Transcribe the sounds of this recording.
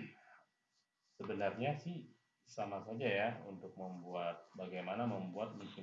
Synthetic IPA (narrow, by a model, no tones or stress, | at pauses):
səbənarɲasɪh | samasad͡ʒajaṵnt̪ʊk̚məmbuat̪̚baɡajmanaməmbuat̪̚miki